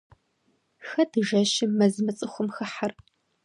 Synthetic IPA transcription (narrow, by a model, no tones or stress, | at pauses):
xɐdɨʒɐʃɪmɐzmɐt͡sʼɨxʷʊmxɐħar